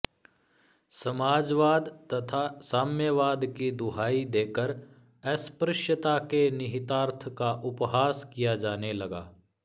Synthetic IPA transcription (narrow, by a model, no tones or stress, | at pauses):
sɐmaːd͡ʒʋaːd̪t̪ɐt̪ʰasaːmjəʋaːd̪kid̪ʊɦaːid̪eːkəɾ | ɛspɾɪʃjət̪akenɪɦɪt̪aːɾt̪ʰəkaʔʊpɦaːskijad͡ʒaːnelɐɡa̰ː